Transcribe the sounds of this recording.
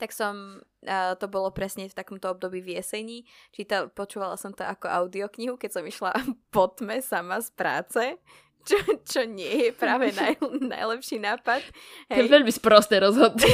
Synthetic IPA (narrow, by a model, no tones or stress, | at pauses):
t̪aksɔm | t̪ɔbɔlɔpɾɛsɲɛft̪akɔmt̪ɔɔb̚d̪ɔbiːʋɪɛsɛjɲiːt͡ʃit̪alpɔt͡ʃuːʋalasɔmt̪ɔakɔʔaʊd̪iɔkɲiɦukɛcsɔmiʃlapɔt̪mɛsamaspɾa̰ːt͡sɛ | t͡ʃɔt͡ʃɔɲɪɛjɛpɾaːʋɛnjna̰jlɛpʃiːnaːpat̪ | ɦɛɛʋɛʎmispɾɔst̪ɛɾɔzɦɔd̪u